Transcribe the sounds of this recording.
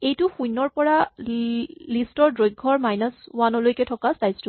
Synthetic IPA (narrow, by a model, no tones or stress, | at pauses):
ejtʊxujnɔɹpɔɹa | listɔɹdɹojɡʱːɔɹmajnɔswanɔlojkɛtʰɔkastajstu